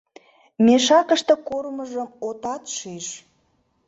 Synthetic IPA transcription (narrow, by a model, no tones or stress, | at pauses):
meʃɑkəʃt̪ə̆korməʒəmot̪ɑt̪ʃiʃ